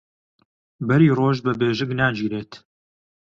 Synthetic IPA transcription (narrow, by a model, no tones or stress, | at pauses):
bɐɾiːroːʒbɐbeːʒɪɡnaːd͡ʒiːɾeːt̪